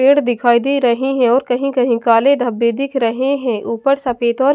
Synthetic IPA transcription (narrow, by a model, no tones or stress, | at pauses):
eːɽd̪ɪkʰaːid̪iɾɐɦiɦɛ̃ɔːɾkɐɦĩkɐɦĩkaːled̪ʱɐbːed̪ɪkʰɾɐɦeɦɛ̃ʔuːpəɾsɐpeːt̪ɔːɾ